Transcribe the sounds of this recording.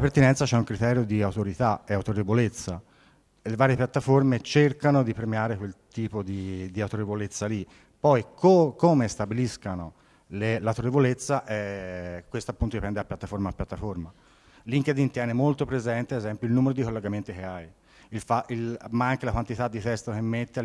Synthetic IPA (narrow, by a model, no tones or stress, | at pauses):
lapert̪inɛnt̪sat͡ʃɛuŋkɾit̪ɛːɾjod̪iawt̪oɾit̪aɛawt̪oɾevolet̪sːa | levaːɾjepjat̪ːaformet͡ʃerkanod̪ipɾemjaːɾekwelt̪iːpod̪id̪iawt̪oɾevolet̪sːali | pɔjkʰokomest̪abiliskano | lelat̪ɾoɾevolet̪sːaʔɛkːwest̪apːunt̪od̪ipɛnd̪eapːjat̪ːafoɾmaːpːjat̪ːaforma | liŋked̪int̪jɛːnemolt̪opɾezɛnt̪ead̪ezɛmpjoilnuːmeɾod̪ikolːeɡament̪ikeaj | ilfailmaaŋkelakwant̪it̪ad̪ːit̪ɛst̪ok̟emːet̪ːe